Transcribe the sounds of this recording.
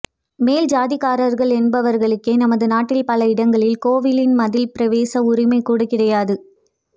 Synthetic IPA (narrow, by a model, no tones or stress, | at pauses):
meːld͡ʒaːðɪɣaːɾɐɾɣɐɭɛnbɐʋɐɾɣɐɭɯkːeːnɐmɐðɯnaːʈːɪlpɐlɐɪɽɐŋɡɐɭɪlkoːʋɪlɪnmɐðɪlpɪɾɐʋeːsɐʊɾɪmɐɪkːuːɽɐkɪɽɐjaːðɯ